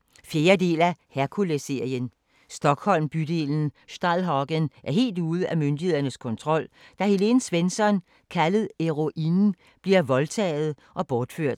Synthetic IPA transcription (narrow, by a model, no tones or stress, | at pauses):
fje̝ːɐde̝̰ːlæhæɐkʰulese̝ɐ̰jən | sd̥ɒ̽ɡ̥hɒ̽l̰mb̥yd̥e̝̰ːln̩sd̥ɑlɦɒɡ̥ənʔæɐɦe̝̰ːld̥uːð̞̩ˠæmønd̥ihe̝ð̰ˠɐnəskʰɒ̽nt͡sʰʁɒ̽l̰d̥ɑ̈hele̝n̩sʋensɒ̽n | kʰæləð̩ˠeʁo̝ʔinn̩ | b̥liɐʋɒ̽lt͡sʰɛ̰ːð̞̩ˠ | ʔɒ̽b̥ɒːd̥føɐ̰d̥